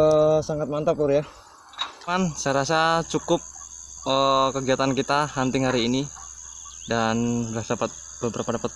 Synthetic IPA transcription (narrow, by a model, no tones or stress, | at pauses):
əsaŋat̪̚mant̪apʊrja | ansajɾasat͡ʃukʊp̚əkəɡiat̪ankit̪aɦant̪ɪŋhaɾiːni | danbəɾasdapat̪̚ | bəbəɾapadapat̪̚